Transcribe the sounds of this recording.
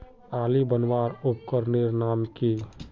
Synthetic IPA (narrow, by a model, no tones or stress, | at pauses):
aːlibənwaːɾʊp̚kəɾnɪɾnaːmki